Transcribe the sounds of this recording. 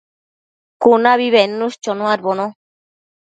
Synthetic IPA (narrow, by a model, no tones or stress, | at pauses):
kunaβiβenːust͡ʃonoaɾβono